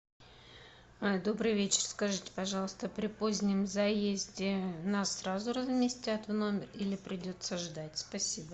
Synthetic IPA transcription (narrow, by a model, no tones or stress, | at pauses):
d̪o̞bɾɨjvʲet͡ɕɪ̥rskɐʐɨtʲɪ̥pɐʐɑlˠəst̪əpɾʲɪpo̞zʲnʲɪmzɐjezʲdʲɪnasːɾazʊrəzmʲɪsʲtʲat̪vno̞mʲɪrilʲɪpɾʲɪdʲo̞t̪səʐd̪atʲspɐsʲibə